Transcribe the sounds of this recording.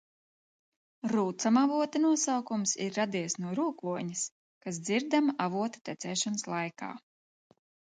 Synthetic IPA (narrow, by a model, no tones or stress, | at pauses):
ɾuːt̪samavuɔt̪anuɔsawkumsḭɾːad̪iɛsnuɔɾuːkluɔɲis | kas̬d̪ziɾd̪amaʔavuɔt̪ḁt̪ʲɛt̪sɛːʃɔnslˠajka̰ː